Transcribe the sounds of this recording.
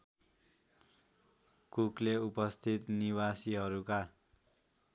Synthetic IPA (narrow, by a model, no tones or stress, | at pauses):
kukleupʌst̪ʰit̪niwasiɦʌɾuka